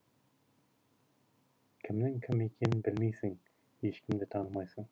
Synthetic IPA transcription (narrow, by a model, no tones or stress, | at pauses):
kʲʰɪmnɪŋkʲʰɪmekʲʰenɪnbɪlmejsɪŋ | heʃkʲɪmd̪ɪt̪ʰɑɴmɑjsɤɴ